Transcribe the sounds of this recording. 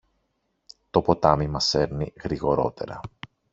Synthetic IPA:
t̪o̞po̞t̪ɐmimɐse̞ɾniɣɾiɣo̞ɾo̞̰t̪e̞̰ɾɐ̰

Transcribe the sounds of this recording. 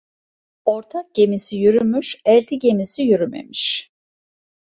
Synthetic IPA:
o̞ɾt̪ʰak̚ɟ̥e̞misijyɾymyʃɛlʲt̪ʰiɟe̞misijyɾymḛmiʃ

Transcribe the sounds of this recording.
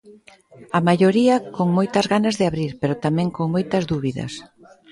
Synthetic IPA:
ɐmajoɾiɐkoŋmojt̪ɐzɣanɐzðɪaβɾiɾpeɾot̪amɛ̃ŋkoŋmojt̪ɐzðuβiðɐ̰s

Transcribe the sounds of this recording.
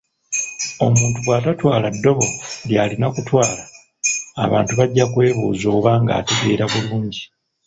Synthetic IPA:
o̞muːntuɡwaːtatwaːladːo̞βo̞ljaːlinakutwaːla̰ː | βa̰ːntuβaɟːakwe̞ːβṵːzo̞ːβaːŋɡa̰ːteɡe̞ːɾaβuluːɲɟi

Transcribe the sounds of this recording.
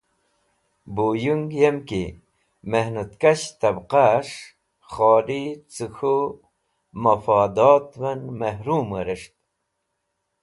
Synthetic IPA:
bujuŋɡjemki | mehnut̪kɐɕt̪ɐbqaʂ | χoːɾit͡suxu | mɐfɑːd̪oːt̪wɐnmɐhɾuːməɾəʂt̪̚

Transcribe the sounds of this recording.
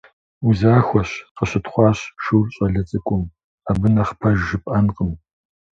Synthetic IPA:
uzaːxʷɔɕqəɕɪtχʷɑːɕʃuwrɕʼɐɮɐt͡sʼɨkʷʼʊm | abɨnɐχpʰɐʒːɨpʼʔɐnqʼəm

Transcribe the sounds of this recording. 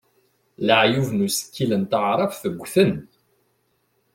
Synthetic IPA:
ləʕjuvnusə̥kːilənt̪əʕɾˤɑfθəɡʷːθən

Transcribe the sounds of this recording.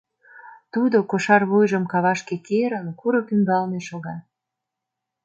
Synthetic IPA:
t̪ud̪okoʃɑrβujʒəmkɑβɑʃkekeɾənkuɾɤ̆kyŋɡɑlneʃoɣɑ

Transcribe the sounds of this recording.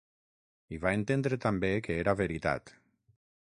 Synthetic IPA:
iβaent̪end̪ɾet̪ambekeeɾaβeɾit̪a̰t̪

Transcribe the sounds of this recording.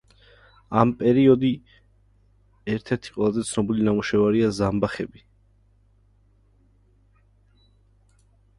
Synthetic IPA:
ampʼɛɾiɔd̪i | ɛɾt̪ʰɛɾt̪ʰi̥qʼwɛlˠazɛt̪sʰnɔbilinamuʃɛvaɾiazambaχɛbi

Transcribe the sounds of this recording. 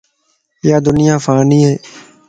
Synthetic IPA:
jaːd̪ʊnɪjãːfaːnĩːɦeː

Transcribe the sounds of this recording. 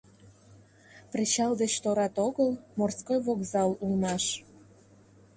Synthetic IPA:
pret͡ɕɑld̪et͡ɕt̪oɾɑt̪oɣəlmorskojβokzɑlulmɑʃ

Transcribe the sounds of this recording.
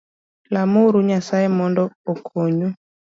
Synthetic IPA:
lamuɾuɲasaɛmɔndɔɔkʰɔɲu

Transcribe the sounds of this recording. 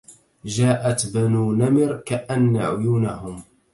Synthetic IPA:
d͡ʒaːʔat̪banuːnamɪɾkaʔanːaʕʊjuːnahʊm

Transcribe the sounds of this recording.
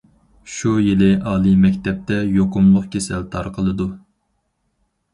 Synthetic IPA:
ʃujilɪʔɑːlˠɨmɛkʲt̪ɛp̚t̪ɛjoqʊmlˠʊq̚kʲʰesɛlt̪ʰɑɾqʰəlˠɨd̪u

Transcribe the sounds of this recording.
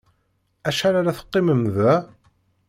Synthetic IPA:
æʃæɾaɾaθə̥qːɪməmðæ

